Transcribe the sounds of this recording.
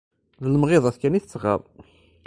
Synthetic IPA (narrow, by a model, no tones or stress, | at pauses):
ðələmʁeðˤɑθkæniθə̥t͡sːʁɑ̰ɾˤ